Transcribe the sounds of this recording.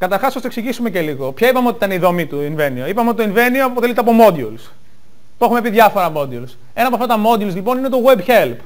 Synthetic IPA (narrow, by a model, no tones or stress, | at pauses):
kɐt̪ɐɾxɐsost̪ɐksiʝisume̞ce̞liɣopçɐipɐmeot̪it̪ɐneiðo̞mit̪uinve̞nioipɐmeot̪it̪oinve̞niopoelit̪eɐpo̞mo̞d̪juls | p̪uexumepiðʝɐfo̞ɾɐmo̞d̪iuls | e̞nɐpoɐft̪ɐt̪ɐmo̞d̪julzlipo̞ninet̪o̞ɣwebçelp